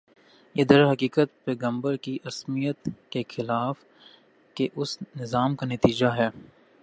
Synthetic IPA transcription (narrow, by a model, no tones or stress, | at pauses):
jeːd̪əɾɦɐkiːkət̪̚pɛːɡə̃mbəɾkiʔɐsmijət̪kexɪlaːf | keʔʊsnɪzaːmkanɐt̪iːd͡ʒaɦɛː